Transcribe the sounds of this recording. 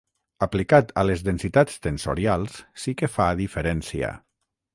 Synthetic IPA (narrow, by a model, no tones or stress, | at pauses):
aplikat̪alezðensit̪at͡st̪enso̰ɾjalˠssikefaðifeɾɛnsiə̰